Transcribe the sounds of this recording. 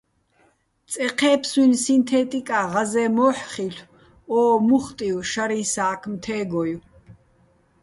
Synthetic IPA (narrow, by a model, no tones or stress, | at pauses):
t͡sʼɛqʰɛːpʰswinsint̪ʰɛːt̪ʼikʼaʁazɛːmɔːħχiɬ | ɔːmuχt̪ʼiwʃaɾĩnsaːkʰmt̪ʰɛːɡɔju